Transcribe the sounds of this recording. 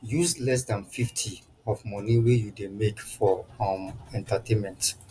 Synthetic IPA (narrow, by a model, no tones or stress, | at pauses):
juslɛs̬dãnfiftʰi | ɔfmɔniwejudemekfɔɔmɛ̃ntatʰẽnmɛ̃nt